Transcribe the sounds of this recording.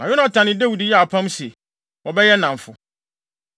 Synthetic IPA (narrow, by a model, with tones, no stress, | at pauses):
a˨jo˦na˦˨tʰã˨nɪ̃˦de˦wu˨di˨˦jɛ˦a˨pʰã˦msɛ˨ | wɔ˨bɛ˦jɛ˦nã˨ɱ˨fʊ˨